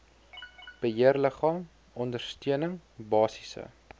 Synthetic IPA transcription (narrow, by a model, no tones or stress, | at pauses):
b̥əɦiərləχɑːm | ɔndərstyənəŋbɑːsisə̰